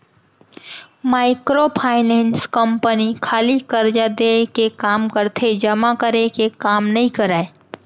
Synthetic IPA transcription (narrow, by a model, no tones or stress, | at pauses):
maːɪkɾopʰaːɪnẽːnskəmpənikʰaːlikəɾd͡ʒad̪ekekaːmkəɾt̪ʰed͡ʒɐmakəɾekekaːmnɐɦĩkəɾaːe